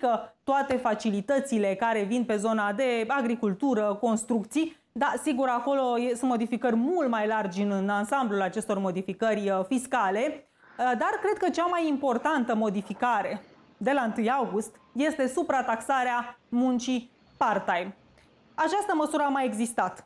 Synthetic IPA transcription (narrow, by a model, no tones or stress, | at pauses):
kət̪oat̪e̞fat͡ʃilit̪ət̪sile̞kaɾe̞vinpe̞zo̞nad̪e̞aɡɾikult̪uɾəko̞nst̪ɾuk̚t̪si | d̪asiɡuɾako̞lo̞jesɨnt̪mo̞d̪ifikərʲmult̪majlard͡ʒnɨnansamblulat͡ʃe̞st̪o̞rmo̞d̪ifikərʲfiskale̞ | d̪arkɾe̞d̪̚kət͡ʃamajimpo̞rt̪ant̪əmo̞d̪ifikaɾe̞ | d̪e̞laɨnt̪ɨjawɡust̪ | je̞st̪e̞supɾat̪aksaɾeamunt͡ʃi | part̪ajm | at͡ʃast̪əməsuɾəamajeɡzist̪at̪